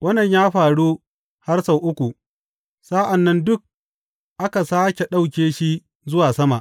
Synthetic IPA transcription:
wʔɐ˦nɐ˨ɲjaː˦ɸaː˨ɽu˦ | ha˦rsɐ˨wʔʊ˦kʷu˨ | saː˦ʔa˨nːɐ˦ndʊ˦k̚ | ʔa˦ka˨saː˦kʲe˨ɗa˦wkʲeː˦ʃi˦ | zʊ˦waː˨sɐ˦ma˨ʔ

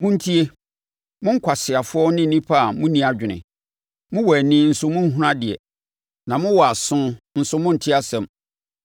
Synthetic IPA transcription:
mʊ̃˦n̩˦tʰi˦e˦ | mʊ̃˦ŋ̩˦kʰʷa˨sɪ˨a˨fʊ˦ɔ˦nɪ̃˦n̩˨nĩ˦pʰa˦a˨mʊ̃˦nĩ˦a˨d͡ʑᶣɪ˨nɪ̰̃˨ | mʊ̃˦wɔ˨æ˨nĩː˦n̩˨sʊ˦mʊ̃˦n̩˦ɦʊ˦ã˦dɪ˨ɛ̰˨ | nã˨mʊ̃˦wɔ˨a˨sʊ̃˦n̩˨sʊ˦mʊ̃˦n̩˨tʰɪ˦a˦sɛ̃˨m

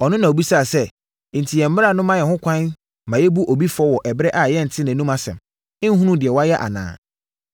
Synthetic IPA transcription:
ɔ˨nʊ̃˦nã˨o˨bi˦sa˦˨sɛ˦˨ | n̩˨tʰi˨jɛ˨m̩˦mɪ˦ɾa˨nʊ̃˦mã˦jɛ˨hʊ̃˦kʷʰã˦n | mã˨jɛ˦bu˦ʔo˨bi˦fʊ˨ɔ˦wɔ˨ʔɛ˨bɾɛ˦ʔa˨jɛ˦n̩˨tʰɪ˦nã˨nũ˦mã˨sɛ̰̃˨m | ɪ̃˦n̩˦ɦũ˦nũ˦dɪ˨ɛ˨wɔ˦a˦jɛ˦ʔa̰˨nã̰ː˨

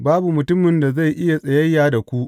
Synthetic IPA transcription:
baː˦bu˨mʊ˨tʊ˦mːɪ˨nda˨za˦˨jʔɪ˦ja˨sʼɐ˨jɐ˦jːaː˨da˨kʷu˦ʔ

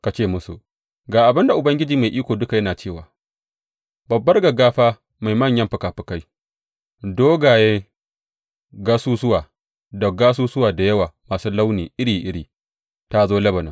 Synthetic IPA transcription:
ka˨t͡ʃeː˦˨mʊ˦sṵ˨ | ɡaː˨ʔa˨bɪ˦nda˨ʔʊ˨bɐ˦ŋɡʲɪ˦d͡ʒiː˨ma˨jʔiː˦kʷoː˨dʊ˦ka˨jɐ˦naː˨t͡ʃeː˦˨wa̰ː˨ | bɐ˨bːɐ˦rɡɐ˨ɡaː˦ɸaː˦ | ma˨jmɐ˦˨ɲjɐ˦mɸɪ˨kaː˨ɸɪ˨ka˦j | doː˦ɡaː˨je˦ | ɡa˦suː˦s̬ʊ˦waː˨ | dɐ˨ɡaː˦s̬uː˦sʊ˦waː˨da˨jɐ˦waː˨maː˨suː˦la˦wniː˨ʔɪ˦ɽiː˨ʔɪ˦ɽiː˨ | ta˦zoː˦lɐ˦bɐ˨nɐ̰˨˦

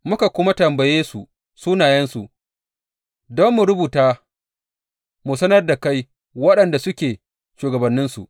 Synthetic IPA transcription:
mʊ˦ka˨kʷʊ˦ma˦tɐ˨mbɐ˨jeː˦su˨ | suː˦naː˨jɛ˦nsu˨ʔ | dɔ˦mːu˨ɾʊ˦buː˨taː˦ | mu˨sɐ˦nɐ˦rda˨ka˦j | wɐ˦ɗɐ˨nda˨sʊ˦kʲeː˨ | ʃuː˨ɡɐ˨bɐ˨nːɪ˦nsṵ˨ʔ

